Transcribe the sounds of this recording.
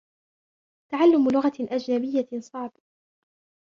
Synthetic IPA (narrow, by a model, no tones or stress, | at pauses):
t̪aʕalːʊmlʊɣaʔad͡ʒnabɪjːasˤɑʕb